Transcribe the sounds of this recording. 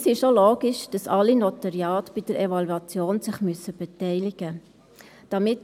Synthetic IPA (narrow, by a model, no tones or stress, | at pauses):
sɪʃoloːɡ̥ɪʃd̥ɑsɑlinɔtɑɾjɑːtb̥id̥əɾɛvɑluɑt͡sjoːnsɪχmyəsəb̥ɛtɛɪlɪɡ̥ə | d̥ɑmɪt